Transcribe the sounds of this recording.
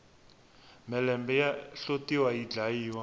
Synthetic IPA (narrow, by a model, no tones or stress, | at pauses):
mɛlɛmbɛjaɬotiwaid͡ɮaiːwa